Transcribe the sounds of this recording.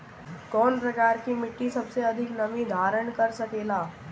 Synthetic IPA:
kɔːnpɾɐkaːɾkimɪʈːisɐbseɐd̪ʱɪknɐmĩd̪ʱaːɾəɽ̃kɐɾsɐkeːlaː

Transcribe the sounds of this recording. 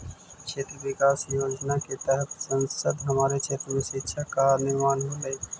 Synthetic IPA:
ʃʰeːt̪ɾəʋɪkaːsjoːd͡ʒnaket̪əɦət̪sə̃nsəd̪ɦɐmaːɾet͡ʃʰeːt̪ɾmẽsɪɪtːʃʰakaːnɪɾmaːnɦoleː

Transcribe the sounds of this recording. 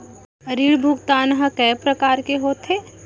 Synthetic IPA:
ɾiɽbʱukt̪aːnɦəkɛːpɾəkaːɾkeɦoːt̪ɦeː

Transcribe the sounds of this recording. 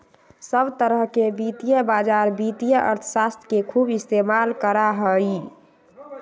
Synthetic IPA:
səbt̪əɾəɦkebit̪ijəbad͡ʒaɾbit̪ijəʔə̰ɾt̪ʰə̥sast̪ʰjkekʰubist̪emalkəɾaɦəi

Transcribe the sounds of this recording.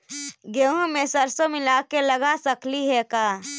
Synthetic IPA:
ɡeɦõmẽsɐɾsomɪlaːkelɐɡasɐkliɦɛkaː

